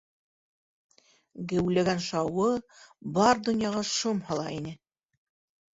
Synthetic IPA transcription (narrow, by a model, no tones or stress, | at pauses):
ɡɘ̆wlæɡænʃɑwɤbɑɾd̪ŏnjɑʁɑʃomhɑlˠɑinɘ